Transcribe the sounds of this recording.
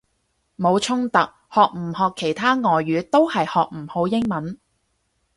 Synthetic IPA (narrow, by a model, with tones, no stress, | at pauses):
mo˨˧wt͡ʃʰʊ˥ŋt̪ɐ˨k̚ | hɔː˨k̚m̩˨˩hɔː˨kʰːe˨˩jt̪ʰaː˥ŋɔː˨jːyː˨˧˥t̪o˥whɐ˨jhɔː˨k̚m̩˨˩ho˨˧wjɪ˥ŋmɐ˨˥n